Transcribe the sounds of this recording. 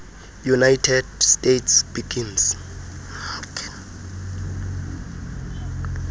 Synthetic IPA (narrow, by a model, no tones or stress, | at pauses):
junajtʰɛdstʼetʰsb̥iɡins